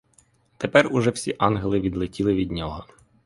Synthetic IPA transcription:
t̪epɛrʊʒɛwsʲiʔɑnɦelˠɪʋʲid̪lˠɪtʲilˠɪʋʲid̪ʲnʲɔɦɔ

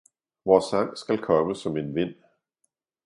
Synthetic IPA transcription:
ʋɒːsɑŋ̰sɡ̥ælkʰɒ̽məsɒ̽me̝nʋe̝n̰

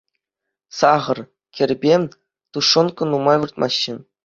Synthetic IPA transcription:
sɑʁɤ̆r | kʲɘ̆rʲbʲe | t̪uʂːɤ̆nkɤ̆numɑjʋɯrt̪mʔɑ̰ɕːɘ̆

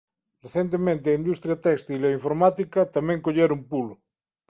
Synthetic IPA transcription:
reθent̪̬emẽnt̪̬eaind̪ust̪ɾjat̪ɛst̪ileiɱfoɾmat̪ikɐt̪amẽŋkoʎeɾumpulo

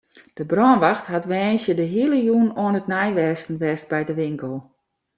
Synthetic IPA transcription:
d̥əbrɔənʋaxtɦatʋɛːnsjədəɦiələjuənoənətnɛjʋɛstn̩ʋɛst̚bɛjdəʋɪŋkəlˠ

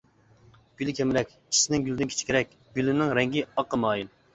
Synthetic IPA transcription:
ɡ̥ʲylɪkʲʰɛmɪɾɛkʲʰ | i̥sɪnɪŋɡʲylʲd̪ɪnkʰʲe̥t͡ʃʰi̥kʲʰeɾɛk̚ʲ | ɡ̥ʲylɪnɪŋɾɛŋɡʲiɑqːəmɑːjin

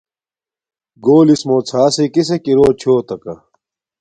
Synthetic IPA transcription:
ɡoːlismoːt͡sʰaːsikisekiɾoːt͡ɕʰoːt̪ɐkɐ̰

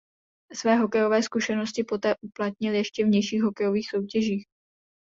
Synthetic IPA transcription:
svɛːɦo̞kɛjo̞vɛːskuʃɛno̞scɪpo̞t̪ɛːʔuplat̪ɲɪljɛʃcɛvɲɛjʃiːxɦokɛjo̞viːxso̞wcɛʒiːx

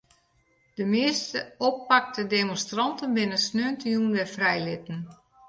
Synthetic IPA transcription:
d̥əmɪəstəopːak̚tʰədemõnstrɔntənbɪnəsnøːntəjunʋɛfrɛjlɪtən̩

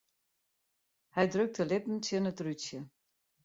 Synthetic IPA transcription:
hɛjdrøk̚təlɪtn̩tjənətryt͡sjə

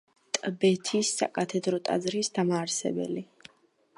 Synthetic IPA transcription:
t̪ʼbɛt̪ʰisːa̰kʼat̪ʰɛd̪ɾɔt̪ʼa̰d̪zɾisd̪amaːɾsɛ̰bɛ̰li

